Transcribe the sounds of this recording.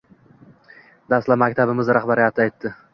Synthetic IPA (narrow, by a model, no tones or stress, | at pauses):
d̪ast̪lamakʲt̪ʰabɪmɪzɾaχbaɾɪjat̪ʰɪajt̪ːɪ